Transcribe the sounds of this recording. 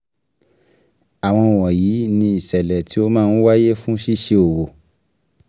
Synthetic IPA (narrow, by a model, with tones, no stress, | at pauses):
a˨w̃ɔ̃˧o˨w̃ɔ̃˨jiː˨˦nĩ˧i˨sɛ˨lɛ˨ti˨˦o˧mãː˦˧n̩˦wa˦je˦fũ˦ʃi˦ʃe˧o˨wo˨